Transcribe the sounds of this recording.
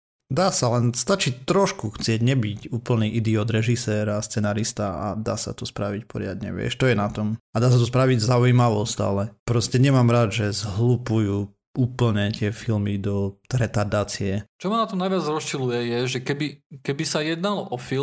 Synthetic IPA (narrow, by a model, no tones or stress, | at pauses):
d̪aːsalɛnst̪at͡ʃiːt̪ɾɔʃkuxt͡sɪɛɟɲɛbicuːpl̩niːʔid̪iɔːd̪ɾɛʒisɛːɾast͡sɛnaːɾist̪aa̰d̪a̰ːsa̰t̪ɔspɾaʋicpɔɾɪa̰d̪ɲɛ̰ʋɪɛ̰ʃt̪ɔjɛnat̪ɔmad̪aːs̬at̪̬ɔs̬pɾaʋiɟzaujimaʋɔsca̰lɛpɾɔscɛɲɛmaːmɾad̪ʒɛzɦlupujuː | uːpl̩ɲɛt̪ɪɛfilmid̪ɔɾɛt̪aɾd̪aːt͡siɛt͡ʃɔmanat̪ɔmnajʋjad͡zɾɔsʃilujɛjɛʒɛkɛbikɛbisajɛd̪nalɔfi